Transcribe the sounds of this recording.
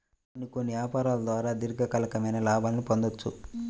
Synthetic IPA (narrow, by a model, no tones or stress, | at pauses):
ɐnikonːiʋjaːpaːɾaːlɐd̪ʋaːɾaːd̪iɾɡɐkɐlɐkɐmɐjnɐlaːbʱaːlɐnipond̪ot͡ʃːṵ